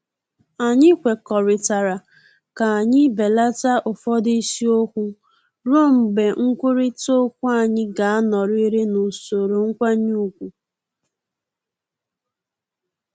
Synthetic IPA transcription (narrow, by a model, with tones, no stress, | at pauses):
a˨ɲɪ˦kʷe˨kɔ˨ɾɪ˨ta˨ɾa˨ | ka˨a˨ɲɪ˦be˨la˦ta˦ʔʊ˨fɔ˦di˦si˦o˦kʷu˦ | ɾo˦˨m̩˨be˨ŋ̩˦kʷʊ˦ɾi˦to˦kʷu˦a˦˨ɲɪ˦ɡa˨a˦nɔ˨ɾi˦ɾe˦no˨so˨ɾo˨ŋ̩˦kʷa˦ɲu˦u˦˨kʷu˨